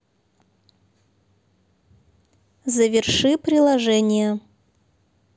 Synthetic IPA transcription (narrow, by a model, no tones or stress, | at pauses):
zəvʲɪrʂɨpɾʲɪlˠɐʐɛnʲɪjə